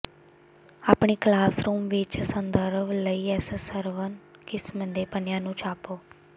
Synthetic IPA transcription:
aːpɳiːklaːsɾuːmʋɪt͡ʃsənd̪əɾʋləiːɛːssəɾʋənkɪsmənd̪eːpənɪjãːnũːt͡ʃʰaːpoː

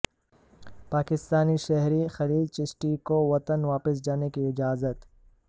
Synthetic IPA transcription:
paːkɪst̪aːniʃɛɦɾixɐliːlt͡ʃɪsʈikoʋɐt̪ənʋaːpɪs̬d͡ʒaːnekiɪd͡ʒaːzət̪

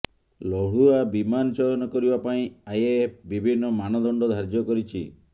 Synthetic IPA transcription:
lɔɽuabimanɔt͡ʃɔjɔnɔkɔɾibapaĩajep̚ʰbibʱinːɔmanɔd̪ɔɳɖɔd̪ʱaɾd͡ʒjɔkɔɾit͡ʃʰi

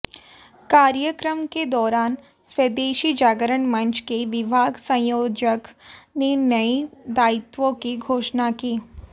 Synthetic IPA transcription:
kaːɾjəkɾəmked̪ɔːɾaːn | swed̪eːʃid͡ʒaːɡəɾəɳmɐ̃nt͡ʃkeʋɪbʱaːɡsɐ̃joːd͡ʒəknenɐid̪aːɪt̪ʋõkiɡʱoːʃnakiː

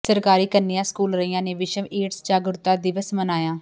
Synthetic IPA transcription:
səɾkaːɾiːkənijãːskuːlɾəiːãːneːʋɪʃəmeːʈsd͡ʒaːɡɾʊt̪ːaːd̪ɪʋəsmənaːjãː

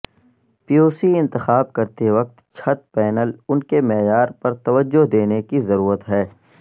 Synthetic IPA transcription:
pijoːsiɪ̃nt̪ɪxaːb̚kɐɾt̪eʋɐk̚t̪t͡ʃʰɐt̪̚pɛːnəlʊnkemɛːjaːɾpɐɾt̪ɐʋəd͡ʒːoɦd̪eːnekizɐɾuːɾət̪ɦɛː

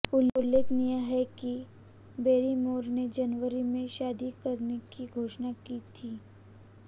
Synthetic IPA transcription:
ʊʊlːeːkʰnijaɦɛki | beːɾimoːɾned͡ʒɐnʋəɾimẽʃaːd̪ikɐɾnekiɡʱoːʃnakiːt̪ʰiː

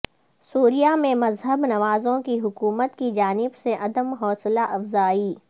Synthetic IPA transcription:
suːɾijamẽmɐzɦəbnɐʋaːzõkiɦʊkuːmət̪kid͡ʒaːnɪbseʔɐd̪əmɦɔːslaʔɐfzaːiː

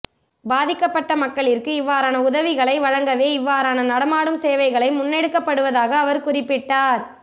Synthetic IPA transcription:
baːðɪkːɐpːɐʈːɐmɐkːɐɭɪrkɯɪʋːaːɾaːnɐʊðɐʋɪɣɐɭɐɪʋɐɻɐŋɡɐʋeːɪʋːaːɾaːnɐnɐɽɐmaːɽɯmseːʋɐɪɣɐɭɐɪmʊnːɛɽɯkːɐpːɐɽɯʋɐðaːɣɐːʋɐɾkʊrɪpːɪʈːaːɾ

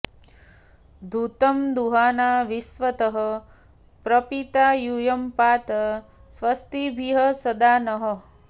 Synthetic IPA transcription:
d̪ʱut̪ɐmd̪uɦaːnaːʋisʋɐt̪ɐɦɐ̆ | pɾɐpit̪aːjujɐmpaːt̪ɐ | sʋɐst̪ibʱiɦɐsɐd̪aːnɐɦə̆

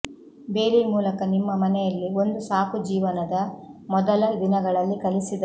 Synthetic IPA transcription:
beːɾimuːlɐkɐnimːɐmɐnɛjɐlːiond̪usaːpud͡ʒiːʋɐnɐd̪ɐmɔd̪ɐlɐd̪inɐɡɐɭɐlːikɐlisid̪ɐ

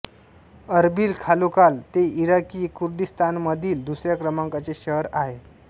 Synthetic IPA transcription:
əɾbiːlkʰalokalt̪eʔiɾakiːkʰuɾd̪ist̪anməd̪ʱiːld̪usɾjakɾəmaŋkat͡seɕəɦɾaɦe

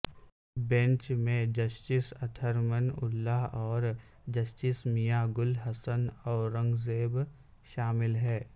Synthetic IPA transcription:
bẽɲt͡ʃmẽd͡ʒɐsʈɪsɐt̪ʰəɾmənʊ̰lːaɦɔːɾ | d͡ʒɐsʈɪsmijaɡʊlɦɐsənɔːɾɐ̃ŋɡzeːb | ʃaːmɪlɦɛː

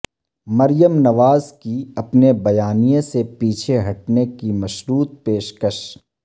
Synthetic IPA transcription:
mɐɾjəmnɐʋaːzkiɐpnebɐjaːnijẽsepiːt͡ʃʰeɦɐʈnekimɐʃɾuːt̪̚peːʃkəʃ

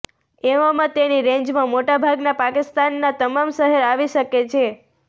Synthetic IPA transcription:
eʋamãt̪eniɾẽɲd͡ʒmãmoʈabʱaɡnapakɪst̪anːat̪əmamʃəɦeɾaʋiʃəket͡ʃʰe

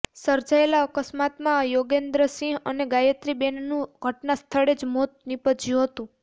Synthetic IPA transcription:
səɾd͡ʒaelaəkəsmat̪mãjoɡend̪ɾəsĩɦəneɡajət̪ɾibennũɡʱəʈnast̪ʰəɭed͡ʒmot̪̚nipəd͡ʒjũɦət̪ũ

